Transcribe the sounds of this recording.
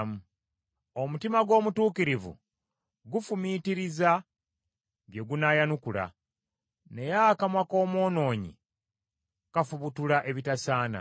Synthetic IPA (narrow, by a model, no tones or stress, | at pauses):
mu | omutimaɡwo̞ːmutuːkiɾivṵ | ɡufumitiɾiza | ɡeɡunajanukula̰ | ne̞jakamwako̞ːmo̞ːno̞ːɲḭ | kafuβutulaʔe̞βitasaːna̰